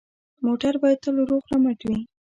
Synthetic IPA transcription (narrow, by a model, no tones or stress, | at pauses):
moʈaɾbɑjad̪̚t̪əloɾoɣɾamaʈwi